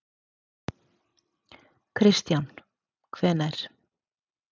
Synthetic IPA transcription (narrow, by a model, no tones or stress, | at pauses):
kʰɾɪst̪jan | kʰvɛːnajɾ̥